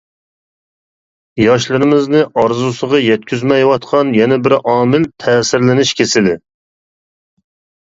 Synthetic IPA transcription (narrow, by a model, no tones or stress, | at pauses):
jɑʃlˠɨɾɪmɪznɨʔɑɾzusəʁɑjɛt̪̚kʲyzmɛjwɑt̪qʰɑnjɛnɛbɪɾʔɑːmɪlt̪ʰɛːsɪɾlɪnɪʃkʲʰesɪlɪ